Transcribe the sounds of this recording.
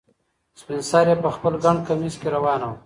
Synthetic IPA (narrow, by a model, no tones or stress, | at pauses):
spinsɑːɾjepəxpəlɡaɳkamizkeɾawɑːnaw